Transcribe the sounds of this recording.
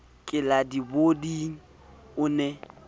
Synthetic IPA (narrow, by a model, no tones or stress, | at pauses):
kʼɪladibodiŋ̩ | ʊnɛ